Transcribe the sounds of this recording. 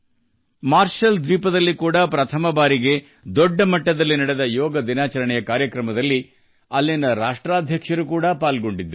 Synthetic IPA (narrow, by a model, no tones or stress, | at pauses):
maːɾʂɐld̪ʋiːpɐd̪ɐlːikuːɽɐpɾɐt̪ʰɐmɐbaːɾiɡe̞ | d̪ɔɖːɐmɐʈːɐd̪ɐlːinɐɽed̪ɐjɔːɡɐd̪inaːt͡ʃɐɾɐɳɛjɐkaːɾjɐkɾɐmɐd̪ɐlːi | ɐlːinɐɾaːʂʈɾaːd̪ʱjɐkʂɐɾukuːɽɐpaːlɡo̞ɳɖid̪ːɾu